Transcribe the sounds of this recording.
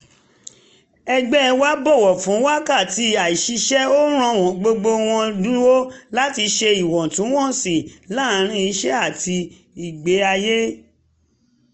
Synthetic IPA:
ɛ˧ɡ͡bɛ˦ɛ˧wa˦bɔ˦˨wɔ˨fũ˨˦wa˦ka˦˨ti˨˧˦a˨i˨ʃi˧ʃɛ˦o˦ɾ̃ɔ̃˦˧˨w̃ɔ̃˨ɡ͡bo˧ɡ͡bo˧w̃ɔ̃˧dũ˦wo˦la˦ti˧ʃe˧i˨wɔ̃˨tũ˨˦w̃ɔ̃˦˨sĩ˨la˦˨˦ɾ̃ĩ˦i˧ʃɛ˦a˦˨tʰi˧ | i˨ɡ͡be˨˦a˧je˦

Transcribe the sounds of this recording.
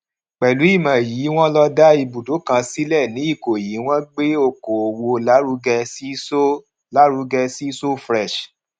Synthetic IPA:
k͡pɛ˨lu˨˦i˦˨mã˨ji˨˦w̃ɔ̃˦lɔ˧da˦i˧bu˨do˨˦kã˧si˦lɛ˦˨nĩ˨˦i˦˨ko˨ji˨˦w̃ɔ̃˦ɡ͡be˦o˧ko˨o˨wo˧la˦ɾu˦ɡɛ˧si˦so˦ | la˦ɾu˧˦ɡɛ˧si˦so˦fɾɛ˦˨ʃ

